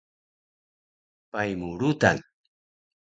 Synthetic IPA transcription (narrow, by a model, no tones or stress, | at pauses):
pajmʊɾʊt̪a̰ŋ